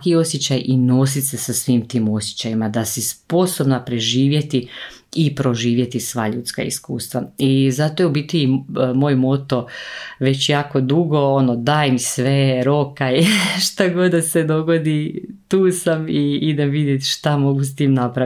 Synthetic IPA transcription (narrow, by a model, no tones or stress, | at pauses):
kio̞sjet͡ɕajʔino̞s̬it̪sesasʋiːmt̪iːmo̞sje̥t͡ɕajimad̪asispo̞so̞bnapɾe̞ʒiːʋje̞t̪i | ipɾo̞ʒiːʋje̞t̪isʋa̰ːʎuːt̪ska̰ḭskuːst̪ʋaizat̪ojeubit̪ujimoːjmo̞t̪o̞ʋe̞t͡ɕjaːko̞d̪uɡo̞o̞nod̪aːjmisʋeɾo̞kaiʃt̪aɡo̞d̪d̪ased̪o̞ɡo̞d̪it̪uːsamiid̪emʋid̪je̞t̪ʃt̪amo̞ɡus̬t̪iːmnapɾa